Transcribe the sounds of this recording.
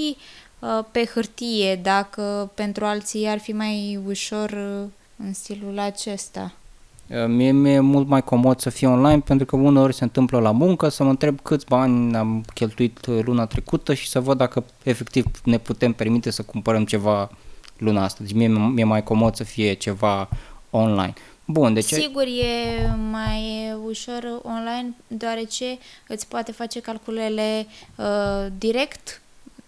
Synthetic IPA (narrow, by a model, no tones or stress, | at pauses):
i | pe̞xɨrt̪ije̞d̪akəpe̞nt̪ɾualt̪siarfimajuʃo̞r | ɨnst̪ilulat͡ʃe̞st̪a̰ | əmijemijemult̪majko̞mo̞d̪səfijeonlajnpe̞nt̪ɾukəune̞o̞rʲse̞ɨnt̪ɨmpləlamuŋkəsəməɨnt̪ɾe̞b̚kɨt̪sʲbanʲneamkʲe̞lt̪uit̪lunat̪ɾe̞kut̪əʃi̥səvəd̪ːakə | e̞fe̞kt̪ivne̞put̪e̞mpe̞rmit̪e̞səkumpəɾəmt͡ʃe̞valunaast̪əzmemije̞majko̞mo̞d̪səfije̞t͡ʃe̞vaonla̰jn | bund̪e̞t͡ʃiɡurje̞majuʃo̞ronlajnd̪oaɾe̞t͡ʃe̞ɨt̪sʲpoat̪e̞fat͡ʃe̞kalkulele̞ | d̪iɾe̞kt̪